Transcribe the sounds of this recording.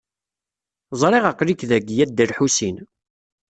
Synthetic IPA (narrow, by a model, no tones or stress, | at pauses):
zˤɾˤeʁaqːɾikðæɡjæd̪əɾħusin